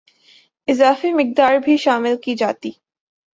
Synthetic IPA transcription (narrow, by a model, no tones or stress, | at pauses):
ɪzaːfimɪk̚d̪aːɾbʱiʃaːmɪlkid͡ʒaːt̪iː